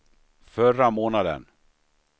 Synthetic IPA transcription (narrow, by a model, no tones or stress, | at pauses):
fœramoːnad̪ə̰n